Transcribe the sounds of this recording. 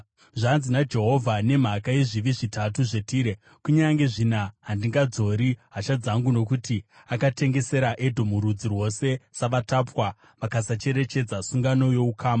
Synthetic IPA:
ʐanzinad͡ʒe̞ɦo̞vʱane̞m̤akaiʐiʋiʐitatuʐe̞tiːɾe | kuɲaŋɡe̞ʐinaɦandiŋɡad͡zo̞ɾiɦat͡ʃad͡zaŋɡuno̞kuti | akate̞ŋɡe̞se̞ɾaʔe̞dʱo̞muɾud͡zirwo̞se̞saʋatapwa | ʋakasat͡ʃe̞ɾe̞t͡ʃe̞d͡zasuŋɡano̞jo̞ukʰaːma

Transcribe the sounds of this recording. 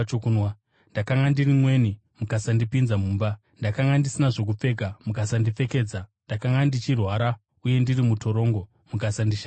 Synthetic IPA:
okunwa | ndakaŋɡandirimwe̞ːni | mukasandipinzamuːmba | ndakaŋɡandisinaʐo̞k̬up͡fe̞k̬amukasandip͡fe̞ke̞ːd͡zandakaŋɡandit͡ʃirwaɾa | uje̞ndirimutʰo̞ɾo̞ːŋɡo̞ | mukasandiʃa

